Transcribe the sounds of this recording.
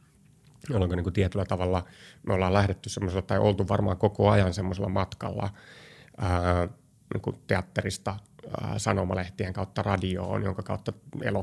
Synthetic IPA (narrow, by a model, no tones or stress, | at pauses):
oleŋkoniŋkut̪iet̪ylːæt̪ɑʋɑlːɑmeolːɑːlæhɾet̪ːyssemːoselːɑt̪ɑiʔo̰lt̪uʋʋɑrmɑ̰ːŋkokoɑjɑnsemːoselːɑmɑt̪kɑ̰lːɑ̰ | əː | nḭːŋkut̪eɑt̪ːerist̪ɑ̰sɑnomɑleht̪ieŋkɑut̪ːɑrɑdio̰ːnjo̰ŋkɑkɑut̪ːɑḛlo